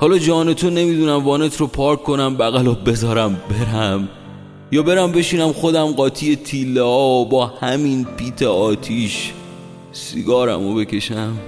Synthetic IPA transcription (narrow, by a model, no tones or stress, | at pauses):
hɒːlɒːd͡ʒɒːne̞t̪ʰone̞miːd̪uːnæmvɒːnet̪ʰɾopʰɒːɾkʰːo̞næmbæɣælɒbe̞zɒːɾæmbe̞ɾæm | jɒːbe̞ɾæmbe̞ʃiːnæmxo̞d̪æmɢɒːt̪ʰiːje̞t̪ʰiːlːɛɒːbɒːhæminpʰiːt̪ʰeɒːt̪ʰiːʃ | sḭɡɒːɾæ̰mobe̞kʲe̞ʃæm